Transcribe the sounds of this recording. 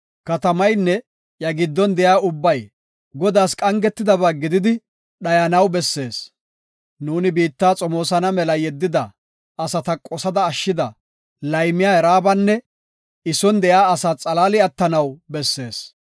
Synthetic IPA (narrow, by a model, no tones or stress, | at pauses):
kɐt̪ɐmɐjnːɛ | jɐɡɪd̪ːɔnd̪ɛjaːʊbːɐj | ɡɔd̪aːskʼɐŋɡɛt̪ːɪd̪ɐβaːɡɪd̪ɪd̪ɪ | ɗɐjɐnɐwbɛsːe̞ːs | nuːnɪbiːt̪ːaːt͡sʼɔmo̞ːsɐnɐmɛlɐjɛd̪ːɪd̪ɐ | ɐsɐt̪ɐkʼɔsɐd̪ɐːʃːɪd̪ɐ | lɐjmɪjaːɛɾaːbɐnːɛ | ɪsɔnd̪ɛjaːɐsaːt͡sʼɐlaːlɪɐt̪ːɐnɐwbɛsːe̞̰ːs